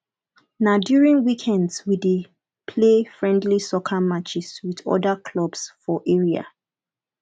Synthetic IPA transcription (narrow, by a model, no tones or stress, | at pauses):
naʊdjuɹĩŋwikʰɛ̃ndswide | pʰlefɹɛ̃ndlisɔkʰamat͡ʃɪswiðɔ̰dakʰlɔbsfɔʔeɹia̰